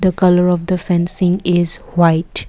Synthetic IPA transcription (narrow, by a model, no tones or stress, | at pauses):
d̪əkʌləɾɔfd̪əfɛ̃nsɪ̃ŋɪz | waɪʈ